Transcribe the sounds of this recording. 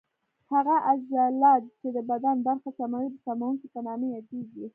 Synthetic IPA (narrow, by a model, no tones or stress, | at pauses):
haɣaʔazalɑd̪t͡ʃed̪əbad̪anbaɾxasamawid̪əsamawuŋkipanɑmejɑd̪eɡi